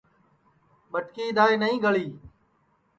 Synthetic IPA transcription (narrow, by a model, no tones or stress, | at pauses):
ɓəʈkiːd̪aːeːnəɦĩːɡəɭiː